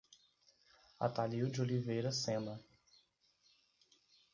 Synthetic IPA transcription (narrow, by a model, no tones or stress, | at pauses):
a̰t̪aliwd͡ʒɪolivejɾɐsẽnɐ